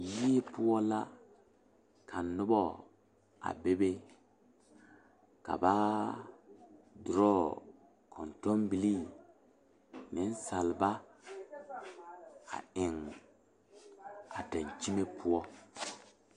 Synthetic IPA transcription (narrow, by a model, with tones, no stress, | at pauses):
ji˦e˦pʊ˦ɔ˦la˦ | kʰa˨nʊ˦bɔ˦ | a̰˨be˦be˦ | ka̰˨ba˦ | dʊ˨ɾɔ˦ | kʰɔ˨ntɔ˦mbi˨li˦˨ | nɪ˦n˦sa˨lba˦ | a̰˨ɪ˨ŋ | a˨ta˨n˨t͡ʃi˦me˦pʊ˦ɔ˦